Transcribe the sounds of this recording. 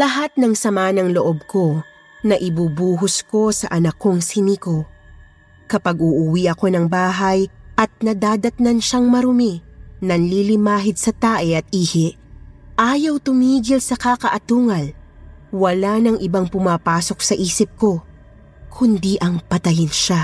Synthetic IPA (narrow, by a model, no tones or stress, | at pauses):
lɐɦat̪̚nɐŋsɐmaːnɐŋloʔob̚ko̞ | nɐʔɪbubuːɦʊsko̞sɐʔɐnɐkːoŋsɪniko | kɐpɐɡ̚ʊʔʊwiʔɐko̞nɐŋbaːɦɐjʔɐt̪̚nɐd̪aːd̪ɐt̪nɐnʃaŋmɐɾʊminɐnlilɪmaːɦɪd̪̚sɐt̪aːʔɛʔɐt̪̚ʔiːhɪʔ | ʔaːjɐwt̪ʊmiːɡɪlsɐkakɐʔɐt̪uːŋɐlwɐlanɐŋʔɪbaŋpʊmaːpaːso̞k̚sɐʔiːsɪp̚ko̞ | kʰʊnd̪iʔɐŋpɐt̪ɐjɪnʃa